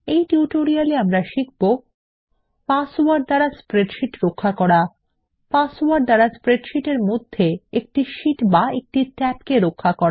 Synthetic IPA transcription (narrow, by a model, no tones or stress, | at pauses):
ejʈiuʈoɾialeamɾaʃik̚bo | pasowaɾɖ̚d̪aɽaspɾeɖʃiʈɾokʰːakɔɾa | pasowaɾɖd̪aɾaspɾeɖʃiʈeɾmod̪ʱːeek̚ʈiʃiʈbaek̚ʈitɛp̚keɾokʰːakɔɾa